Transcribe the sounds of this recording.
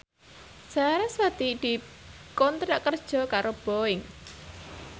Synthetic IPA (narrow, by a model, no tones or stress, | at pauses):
saɾaswad̪id̪̥i̤ | kont̪ɾaʔkərd̥ʒ̥ɔ̤kaɾob̥oɪŋ